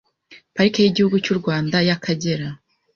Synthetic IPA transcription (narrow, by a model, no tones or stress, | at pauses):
paɾikajiɟihuɡucuɾɡwaːndajakʰaɟe̞ɾa